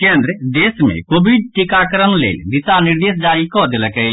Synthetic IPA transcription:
kend̪ɾəd̪esmḛkobʱiɖ̚ʈikakəɾənlḛld̪isaniɾd̪esd͡ʒaɾikɔd̪eləkɛ

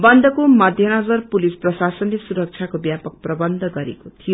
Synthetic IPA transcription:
bʌnd̪ʱʌkomʌd̪ʱjʌnʌd͡zʌrpulisprʌsasʌnlesuɾʌk̚t͡sʰjakobjapʌk̚prʌbʌnd̪ʱʌɡʌɾḛkot̪ʰijo

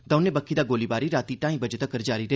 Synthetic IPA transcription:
d̪ɐʊneːbəkʰːiːd̪aːɡoːlibaːɾiɾaːt̪iːʈãːĩbəd͡ʒət̪əkːəɾd͡ʒaːɾiɾɐ

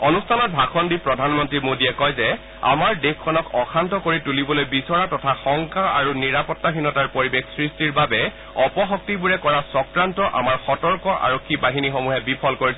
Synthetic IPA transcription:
ɔnustʰanɔt̚bʱakʰɔndipɹɔdʱanmɔntɹimodiɛkɔjzɛ | a̰maɹdekʰːɔnɔkʰɔxʰantɔkoɹitulibɔlojbisɔɹatɔtʰaxɔŋkaa̰ɹuniɹapɔtːaxinɔtaɹpoɹibexsɹistiɹbabɛ | ɔpɔxɔk̚tibuɹɛkɔɹasɔkɹantɔʔa̰maɹxɔtɔɹkɔʔa̰ɹɔkʰːibaɦinixomuɦɛbipʰɔlkoɹisɛ

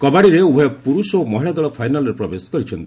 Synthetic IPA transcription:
kɔbaɽiɾeubʱɔjɔpuɾusomɔɦiɭad̪ɔɭɔpʰajnalɔɾepɾɔbeskɔɾit͡ʃʰɔnt̪

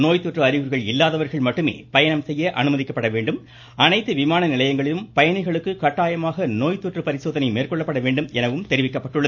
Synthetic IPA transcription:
noːjt̪ːɔʈrɯɐɾɪʋɯɾɣɐɭɪlːaːðɐʋɐɾɣɐɭmɐʈːɯmḛːpɐjɐɳɐmsɛjːɐʔɐnɯmɐðɪkːɐpːɐɽɐʋeːɳɖɯm | ɐnɐɪt̪ːɯʋɪmaːnɐnɪlɐjɐŋɡɐɭɪlɯmpɐjɐɳɪɣɐɭɯkːɯkɐʈːaːjɐmaːɣɐnoːjt̪ːɔʈrɯpɐɾɪsoːðɐnɐɪmeːrkɔɭːɐpːɐɽɐʋeːɳɖɯmɛnɐʋɯmt̪ɛɾɪʋɪkːɐpːɐʈːɯɭːɐð

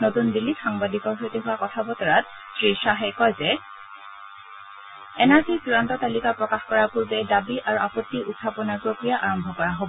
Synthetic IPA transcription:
notundilːixaŋbadikɔɹɦojteɦʊwakɔtʰabɔtɔɹat | sɹisaɦakɔjzɛ | ɛnaɹzisuɹantɔtalikapɹɔkaxkɔɹapuɹbɛdabiʔaɹuapɔtːiʔut̚kʰːapɔnaɹpɹokɹijaʔaɹɔmbʱɔkɔɹaɦobɔɔ

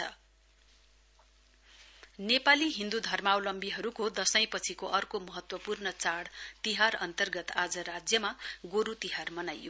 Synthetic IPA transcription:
ʌ̰ | nepaliɦĩnd̪ud̪ʱʌrmawlʌmbiɦʌɾukod̪ʌsʌj̃pʌt͡sʰikoʔʌrkomʌɦʌt̪wʌpurnʌt͡saɽt̪iɦaɾʌnt̪ʌrɡʌt̪ad͡zʌɾad͡zjʌmaɡoɾut̪iɦarmʌnajo

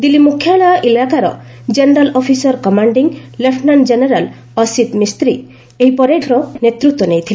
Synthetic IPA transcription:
d̪ilimukʰːjaɭaʔilakaɾɔ | d͡ʒeneɾalɔpʰisɔɾkɔmaɳɖiŋlepʰnand͡ʒeneɾal | ɔsit̪mist̪ɾi | eɦipɔɾeʈʰɾɔnet̪ɾut̪wɔnejt̪ʰile

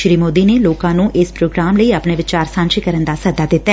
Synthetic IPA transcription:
ʃɾiːmoːd̪iːneːloːkãːnũːʔɪspɾoːɡɾaːmləiːəpneːʋɪt͡ʃaːɾsãːnʃikəɾənd̪aːsəd̪aːd̪ɪt̪ːaɛ

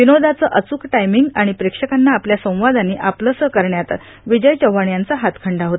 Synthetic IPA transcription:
ʋinod̪at͡səʔət͡suːkʈajmiŋɡaɽ̃ipɾekʂəkanːaːpljasə̃w̃ʋad̪anːiʔapləsəkəɾɳjat̪ | ʋid͡ʑəjt͡ɕəʋaɳjant͡saɦat̪kʰəɳɖaɦot̪ə

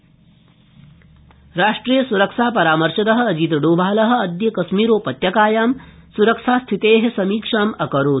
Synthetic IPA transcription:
ɾaːʂʈɾiːjɐsuɾɐkʂaːpɐɾaːmɐɾʂɐd̪ɐɦɐ̆ɐd͡ʒit̪ɖoːbʱaːlɐɦɐ̆ɐd̪jɐkɐʃmiːɾoːpɐt̪jɐkaːjaːmsuɾɐkʂaːst̪ʰit̪eːɦesɐmiːkʂaːmɐkɐɾoː

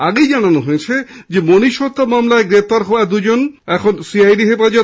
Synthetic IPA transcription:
aɡejd͡ʑananoɦojet͡ɕʰed͡ʑemoniʃot̪ːamamlaeɡɾep̚ʰt̪aɾɦɔad̪ud͡ʑonɛkʰonsiajɖiɦefad͡ʑo

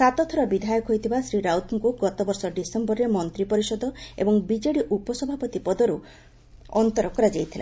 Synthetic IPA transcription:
sat̪ɔt̪ʰɔɾɔbid̪ʱajɔkɦojt̪ʰibasɾiɾawt̪ʰŋkuɡɔt̪ɔbɔɾsɔɖisembɔɾɾemɔnt̪ɾipɔɾisɔd̪ɔḛbɔŋbid͡ʒeɽiʔupɔsɔbʱapɔt̪ipɔd̪ɔɾu | ɔnt̪ɔɾɔkɔɾad͡ʒajt̪ʰila̰

